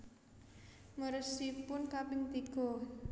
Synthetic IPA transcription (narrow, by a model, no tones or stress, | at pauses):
məɾəsipʊnkapiŋt̪iɡ̥ɔ̤